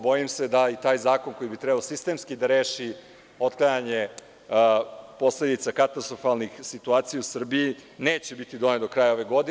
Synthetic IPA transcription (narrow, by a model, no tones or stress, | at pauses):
bo̞jimse̞d̪ait̪aːjzaːko̞nko̞jibit̪ɾɛbaosist̪emskid̪aɾe̞ːʃi | o̞t̪klˠajaɲe | po̞sle̞d̪it̪sakat̪ast̪ɾofalnixsit̪uaːt̪sijausr̩biine̞ːt͡ɕebit̪id̪o̞ned̪o̞kɾaːjao̞ʋe̞ɡo̞d̪i